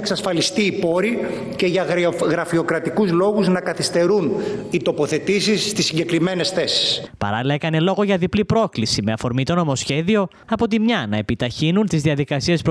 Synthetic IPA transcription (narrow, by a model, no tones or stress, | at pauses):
eksɐsfɐlist̪iːpo̞ɾi | ce̞ʝɐɣɣɾɐfio̞kɾɐt̪ikuzlo̞ɣuznɐkɐθist̪e̞ɾunit̪o̞po̞θe̞t̪isisːt̪isːiɲɟe̞kɾime̞ne̞sθe̞si̥spɐ̰ɾɐlilɐekɐne̞lo̞ɣo̞ʝɐðiplipɾo̞klisime̞ɐfo̞ɾmit̪o̞no̞mo̞sçe̞ðio̞ | ɐpo̞t̪̬imɲɐnɐe̞pit̪ɐçinunt̪izðiɐðikɐsie̞spɾ